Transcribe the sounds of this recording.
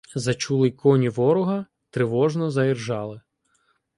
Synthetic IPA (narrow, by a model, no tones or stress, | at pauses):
zɐt͡ʃulˠɪjkʰɔnʲiʋɔɾʊɦɐ | t̪ɾɪʋɔʒnɔzɐjirʒɑlˠɪ